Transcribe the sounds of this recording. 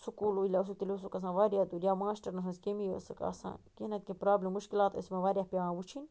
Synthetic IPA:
sukuluilʲas̬ut̪ilis̬ukas̬ãβaɾjad̪uɾʲjamaʃt̪aɾnas̬ãskemia̰sakʼa̰sã̰kinat̪̚kʲẽpɾablemuʃkilad̪esmaβaɾjahpjaabut͡ʃin

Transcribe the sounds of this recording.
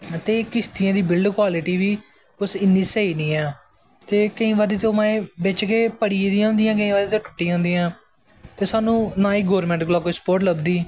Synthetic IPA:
t̪eːkɪst̪ijãːd̪iːbɪlɖkwaːlɪʈiːʋiː | kʊsɪnːiːseːiːniːɛː | t̪eːkəĩːʋaːd̪eːt̪eoːmaːẽːbet͡ʃkeːpəɽiːd̪ĩːɦʊ̃nd̪ijãːk̬əĩːʋaːd̪eːt̪eːʈʰʊ̥ʈːiːãːnd̪iːãː | t̪eːsaːnũːnaːiːɡoːɾmɛ̃ːɳʈklaːkoispoːɾʈləbd̪iː

